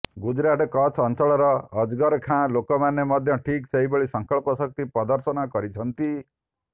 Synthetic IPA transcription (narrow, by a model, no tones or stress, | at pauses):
ɡud͡ʒɾaʈkɔt͡ʃʰɔnt͡ʃɔɭɔɾɔːd͡ʒɡɔɾkʰãlokɔmanemɔd̪ʱjɔʈʰikseɦibɔɭisɔŋkɔɭpɔsɔk̚t̪ipɾɔd̪ɔɾsɔnɔkɔɾit͡ʃʰɔnt̪i